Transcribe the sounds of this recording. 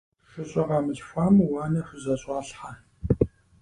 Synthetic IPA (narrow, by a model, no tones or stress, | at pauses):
ʂɨɕʼɐʁɑmɨɬfʷaːmwaːnɐxʷʊzɐɕʼɑːɬħa